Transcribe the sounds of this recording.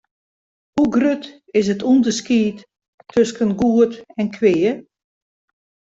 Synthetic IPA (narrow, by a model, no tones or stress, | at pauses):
huɡrøt | ɪsətʰundəskiːtʰː | øskənɡuətɛnkʰʋɪːə